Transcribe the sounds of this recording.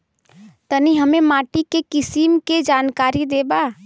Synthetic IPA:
t̪əniɦəmemaʈikekisimked͡ʒankaɾid̪eba

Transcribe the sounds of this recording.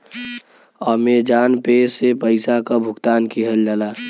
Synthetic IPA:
ɔːmed͡ʒaːnpesepəɪsakabʱʊɡt̪aːnkiɦəld͡ʒalaː

